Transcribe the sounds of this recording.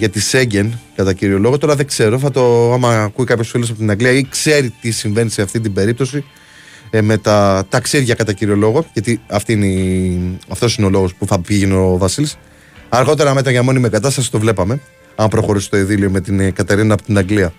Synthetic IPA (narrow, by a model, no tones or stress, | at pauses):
ʝɐt̪ise̞ɲɟe̞nkɐt̪ɐciɾio̞lo̞ɣo̞t̪oɾɐðe̞ɡze̞ɾo̞θɐt̪o̞ɐmɐkuikɐpçosfilosɐpot̪inɐŋɡliɐikse̞ɾit̪isiɱve̞nise̞ɐft̪int̪ibe̞ɾip̚t̪o̞si | me̞t̪ɐt̪ɐksiðʝɐkɐt̪ɐciɾio̞lo̞ɣo̞ʝɐt̪iɐft̪iinei | ɐft̪o̞sineo̞lo̞ɣo̞spuθɐpiʝeno̞vɐsilis | ɐɾɣo̞t̪e̞ɾɐme̞t̪ɾɐʝɐmo̞nimekɐt̪ɐst̪ɐsi̥t̪o̞vle̞pɐme̞ | ɐmpɾo̞xo̞ɾisi̥t̪o̞iðilio̞me̞t̪inkɐt̪e̞ɾinɐːpot̪inɐŋɡliɐ